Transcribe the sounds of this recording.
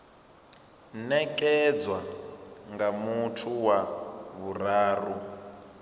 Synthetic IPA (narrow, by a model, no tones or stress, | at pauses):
nɛkʼɛd͡zwaŋɡamutʰuwaβuɾaːru